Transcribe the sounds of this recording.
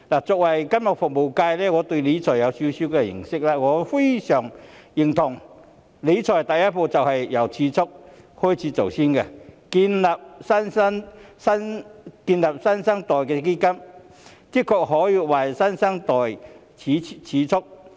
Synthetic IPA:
laː˨˩t͡sɔː˨k̚wɐ˨˩jkɐ˥mjɐ˨˩k̚fʊ˨k̚mo˨wkaː˧jlɛː˥ŋɔː˨˧t̪ɵ˧ɥle˨˧˥t͡sʰɔː˨˩jɐ˨˧wsi˧˥sy˥kɛ˧jɪ̰˨˩ŋsɪ˥k̚laː˧ŋɔː˨˧fe˥jsœː˨˩ŋjɪ˨˩ŋt̪ʰʊ˨˩ŋ | le˨˥t͡sʰɔː˨˩jt̪ɐ˨˩jɐ˥t̚po˧t͡sɐ˨whɐ˨jːɐ˨˧wt͡sʰiː˨˧˥t͡sʰʊ˥k̚ | hɔː˥jt͡sʰiː˨˥t͡so˨˩wsiː˥nkɛ˧kiː˧nlaː˨p̚sɐ˥nsɐ˥ŋsɐ˥nkiː˧nlaː˨p̚sɐ˥nsɐ˥ŋt̪ɔː˨˩jkɛː˧k̬e˥kɐ˥m | ki˥t̚kʰːɔː˧k̚ɦɔː˨˥jiː˧wɐ˨˩jsɐ˥nsɐ˥ŋt̪ɔː˨˩jʰ | iː˨˥t͡sʰiː˨˥t͡sʰʊ˥k̚

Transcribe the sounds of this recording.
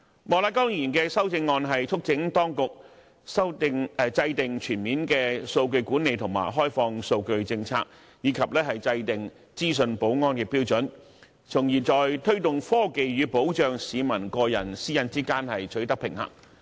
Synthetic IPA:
mɔː˨˩laː˧˥kɔː˥ŋjiː˨˩nkɛː˧sɐ˥wt͡sɪ˧ŋːɔː˧nɦɐ˨jt͡ʃʰʊ˥k̚t͡sɪ˨˥ŋt̪ɔː˥ŋkʊ˨k̚ | sɐ˥wt̪ɪ˧ŋ˨t͡sɐ˧jt̪ɪ˨ŋt͡ʃʰyː˨˩nmiː˨˥nkɛː˧so˧wkɵ˧ɥkuː˨˥nːe˨˧jt̪ʰʊ˨˩ma̰ː˨˩jɦɔː˥jfɔː˧ŋso˧wkɵ˧ɥt͡sɪ˧ŋt͡sʰa̰ː˧k̚ | jiː˨˧kʰɐ˨p̚lɛː˥ɦɐ˨jt͡sɐ˧jt̪ɪ˨ŋ | t͡siː˥s̬ɵ˨˧npo˨˥wŋɔː˥nkɛː˧piː˥wt͡ʃɵ˨˥n | t͡sʰʊ˨˩ŋjiː˨˩t͡sɔː˨jt̪ʰɵ˥ɥt̪ʊ˨ŋfɔː˥ke˨jɥyː˨˧po˨˥wt͡ʃœː˨ŋsiː˨˧mɐ˨˩nkɔː˧jɐ̰˨˩nsiː˥jɐ˧nt͡siː˥kaː˥nhɐ˨jt͡ʃʰɵ˨˥t̪ɐ˥k̚pʰɪ˨˩ŋhɐ̰˨˩ŋ

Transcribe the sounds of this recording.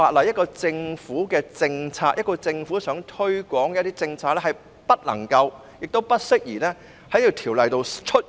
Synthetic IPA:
aː˧˨t̚lɐ˨˩jɐ˥t̚kɔː˧t͡sɪ˧ŋfuː˨˥kɛː˧t͡sɪ˧ŋt͡sʰaː˧˥jʔɐ˥t̚kɔː˧t͡sɪ˧ŋfuː˨˥sœː˨˥ŋt̪ʰɵ˥ɥkʷɔː˨˥ŋkɛ˧˥t̪iː˥t͡sɪ˧ŋt͡sʰaː˧k̚lɛː˥hɐ˨j | pɐ˥t̚lɐ̰˨˩ŋkɐ˧w | jɪ˨k̚t̪o˥wpɐ˥t̚sɪ˥k̚jiː˨˩lɛː˥ | hɐ˨˥jt̪i˨˧wt̪ʰiː˨˩wlɐ˨jt̪o˨˧wt͡ʃʰɵ˥t̚

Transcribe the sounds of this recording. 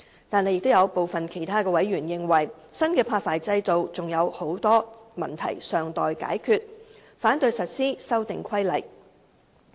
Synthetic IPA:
t̪aː˨nːe˧jkt̪o˥wjɐ˨˧wpo˨wfɐ˨nkʰe˨˩jt̪ʰaː˥kɛː˧wɐ˨˥jɥyː˨˩njɪ˨˧ŋwɐ˨˩jsɐ˥nkɛː˧pʰaː˧k̚faː˨jt͡sɐ˧jt̪o˨wt͡sʊ˨ŋjɐ˨˧who˨˥wt̪ɔː˥mɐ̰˨˩nt̪ʰɐ̰˨˩jsœː˨ŋt̪ɔː˨jka̰ː˨˥jkʰyː˨˧t̚ | faː˨˥nt̪ɵ˧ɥsɐ˨t̚siː˥sɐ˥wt̪ɪ̰˨ŋkʷʰɐ˥jlɐ˨˩j

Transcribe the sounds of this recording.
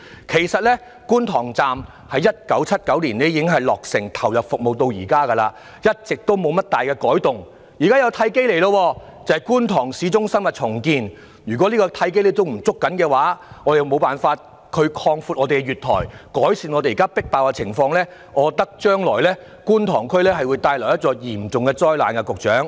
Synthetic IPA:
kʰe˨˩jsɐ˨t̚lɛ˥ | kuː˥nt̪ʰɔː˨˩ŋt͡saː˨m | hɐ˨˧˥jːɐ˥t̚kɐ˨˥wt͡sʰɐ˥t̚kɐ˨˥wliː˨˩nɛ˦˥jiː˧kɪ˥ŋɦɐ˨jlɔː˨˩k̚sɪ˨˩ŋt̪ʰɐ˨˩wjɐ˨p̚fʊ˨k̚mo˨wt̪o˧wjiː˨˩kaː˥kɐ˧la̰ː˧ | jɐ˥t̚t͡sɪ˨k̚t̪o˥wmo˨˧wmɐ˥t̚t̪aː˨jkɛ˧kɔː˨˥jt̪ʊ˨ŋ | jiː˨kaː˥jɐ˨˧wt̪ʰɐ˧˥jke˥jle˨˩jlɐ˧wɔː˧ | t͡sɐ˨hɐ˨jkuː˥nt̪ʰɔː˨˩ŋsiː˨˥t͡sʊ˥ŋsɐ˥nmɐ˨t̚t͡sʰʊ˨˩ŋkiː˧n | jyː˨˩kʷwɔ˨˥li˥kɔː˧t̪ʰɐ˧˥jk̬e˥jlɛ˥t̪̬o˥wm̩˨˩t͡sʊ˥kːɐ˨˥nkɛː˧waː˨˥ŋɔː˨˧ɾe˨jmo˨˧wpaː˨nfaː˧t̚ | kʰɵ˨˧ɥkʰɔː˧ŋfuː˧t̚ʔɔː˨˧te˨jɡɛ˧jɥyː˨t̚t̪ʰɔ̰ː˨˩jkɔː˨˥jsiː˧nɔː˨˧t̪e˨jiː˨˩kaː˥pɪ˥k̚paː˨˧wkɛ˧t͡sʰɪ˨˩ŋfɔː˧ŋlɛː˥ | ɔː˨˧t̪ɐ˥k̚t͡ʃœː˥ŋlɔː˨˩jlɛː˥ | kuː˥nt̪ʰɔː˨˩ŋkʰɵ˥ɥlɛː˥ɦɐ˨jwu˨˧jt̪aː˧jlɔ˨˩wjɐ˥t̚t͡ʃɔː˧jiː˨˩mt͡sʊ˨ŋkɛ˧t͡sɔː˥jlaː˨nkɛ˧kʊ˨k̚t͡ʃœː˨˥ŋ

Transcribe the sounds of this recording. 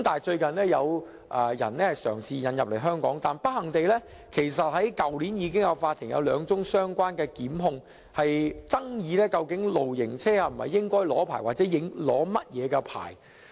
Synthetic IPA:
mt̪aː˨t͡ʃɵ˧ɥkɐ˨nlɛː˥jɐ˨˧w | ʔɐː˨˧jɐ̰˨˩nlɛː˥hɐ˨jsœ̰ː˨˩ŋsiː˨˧jɐ˨˧njɐ˨p̚le˨˩jɦœː˥ŋkɔ̰ː˨˥ŋt̪aː˨npɐ˥t̚hɐ˨˩ŋt̪e˨jlɛː˥ | kʰe˨˩js̬ɐ˨t̚hɐ˨˥jkɐ˨wliː˨˥njiː˨˧k̬ɪ˥ŋjɐ˨˧wfaː˧t̪ʰɪ˨˩ŋjɐ̰˧wlœː˨˧ŋt͡sʊ˥ŋsœː˥ŋkʷwaː˥nkɛː˧kiː˨˥mɦʊ˧ŋ | hɐ˨jt͡sɐ˥ŋjiː˨˧lɛː˥kɐ˧wkɪ˨˥ŋlo˨wjɪ˨˩ŋt͡sʰɛː˥aː˧m̩˨˩hɐ̰˨jːɪ˥ŋkɔː˥jlɔː˨˥pʰa̰ː˨˩jwaː˨t͡sɛː˨˦˥jɪ˨˥ŋlɔː˨˥mɐ˥t̚jɛː˨˧kɛ˧pʰa̰ː˨˩j

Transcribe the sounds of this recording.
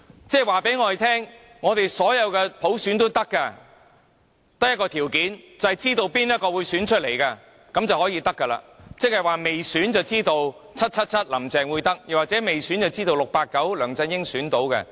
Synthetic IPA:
t͡sɛː˥waː˨˩pe˨˥jŋɔː˧e˨jt̪ʰɛː˥ŋ | ŋɔː˨˧t̪e˨jsɔː˨˥jɐ˨˧wkɛː˧pʰo˨˥wsyː˨˥nt̪o˥wt̪ɐ˥kːɐ˧ | t̪ɐ˥k̚jɐ˥tkːɔː˧t̪ʰiː˨˩wkiː˨˥nt͡sɐ˨hɐ˨jt͡siː˥t̪o˨˧wpiː˥njɐ˥t̚kɔː˧wuː˨˧jsyː˨˥nt͡ʃʰɵ˥t̚le˨˩jkɐ˧ | kɐ˨˥mt͡sɐ˨whɔː˨˥jiː˧t̪ɐ˥kːɐ˧la̰ː˧t͡sɪ˥k̚hɐ˨jwaː˨me˨jsyː˨˥nt͡sɐ˨wt͡siː˥t̪o˨˧wt͡sʰɐ˥t̚t͡sʰɐ˥t̚t͡sʰɐ˥t̚lɐ˨˩mt͡sɛː˨ŋwu˨˧jt̪ɐ˥k̚jɐ˨˩waː˨t͡sɛː˨˥me˨jsy˨˥nt͡sɐ˨wt͡siː˥t̪o˨wlʊ˨k̚paː˧t̚kːɐ˨˥wlœː˨˩ŋt͡sɐ˧njɪ˥ŋsyː˨˥nt̪o˨˥wkɐ̰˧

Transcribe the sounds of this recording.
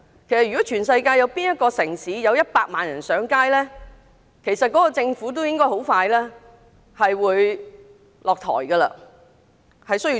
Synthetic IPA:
kʰe˨˩sɐ˨t̚y˨˩ɔ˨˥t͡ʃʰyː˨˩nsɐ˧jkaː˧jɐ˨˧wpiː˥njɐ˥t̚kɔː˧sɪ˨˩ŋsiː˨˥jɐ˨˧wjɐ˥t̚paː˧k̚maː˨njɐ˨˩nsœː˨˥ŋkaː˥jlɛː˥ | kʰe˨˩jsɐ˨t̚kɔː˨˥kɔː˧t͡sɪ˧ŋfuː˨˥t̪̬o˥wjɪ˥ŋkɔː˥jho˨˥wfaː˧jlɛː˥ | hɐ˨jwuː˨˧j | lɔː˨k̚t̪ʰɔ̰ː˨˩jɡɐ˧lɐ̰˧ | hɐ˨jsɵ˥ji˧

